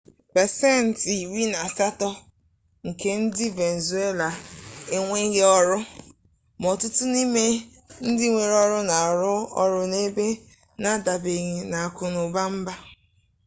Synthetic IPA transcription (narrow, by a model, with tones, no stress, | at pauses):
pɛ˨se˦˨n̩˨ti˨wi˦na˨sa˦tɔ˦ | ŋ̩˨ke˦n̩˦dɪ˦ve˨n˨zu˨˦e˦la˨e˦ŋʷe˦ɣe˦ɔ˦ɾʊ˦ | mɔ˨tʊ˦tʊ˦ni˦me˦ | n̩˦dɪ˦ŋʷe˨ɾɔ˦ɾʊ˦na˨ɾʊ˦ɔ˦ɾʊ˦ne˦be˦ | na˦da˨be˨ɣi˨na˨a˨kʊ˦nʊ˨ba˦m̩˦ba˦